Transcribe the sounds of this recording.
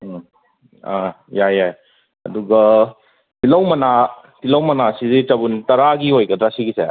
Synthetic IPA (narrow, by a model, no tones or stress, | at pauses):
a | jajaj | ɐ̰duɡɐ | tilɐwmɐna | tilɐwmɐnasizitɐbuntɐɾaɡiɦojkɐdɾasiɡise